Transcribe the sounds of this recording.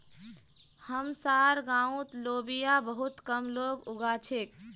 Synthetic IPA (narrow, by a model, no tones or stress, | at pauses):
həmsaɾɡãũt̪lobijabəɦut̪kəmloɡuɡat͡ʃʰek